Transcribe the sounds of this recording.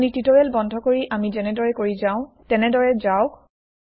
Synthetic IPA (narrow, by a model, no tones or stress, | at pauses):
nititoɹɛlbɔndʱɔkoɹiʔamizɛnɛdɔɹɛkoɹizaʊ̃tɛnɛdɔɹɛzaʊk